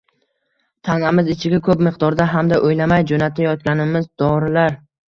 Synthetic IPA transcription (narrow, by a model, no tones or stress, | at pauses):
t̪ʰanamɪzɪt͡ʃʰɪɡʲakʰɵpmɪqd̪ɒɾd̪aɦamd̪aʔojlamajd͡ʒonat̪ʰajɒt̪̚kʲanɪmɪzd̪ɒɾɪlaɾ